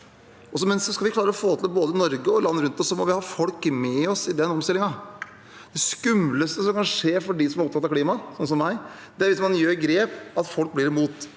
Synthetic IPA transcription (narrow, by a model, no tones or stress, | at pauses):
ɔs̬ɔmɛnsɔskɑlʋɪkʰlɑːɾəɾɔfoːt̪ʰɪlboːd̪ənɔɾɡəɔlɑnːəɾʉnt̪ɔsːɔmɔʋɪhɑːfɔlkmɛɔsɪd̪ɛnɔmst̪ɪlɪŋɑ | d̪̥ɛskʉmləst̪əsɔmkɑnʂeːɾfɔɖisɔmɑɾɔp̚t̪ɑt̪ːɑkliːmɑsɔnəsɔmːæɪ | d̪̥ɛæɾʋɪsmɑnjøːɾɡɾeːpɑt̪fɔlk̚blɪɾɪmuːt̪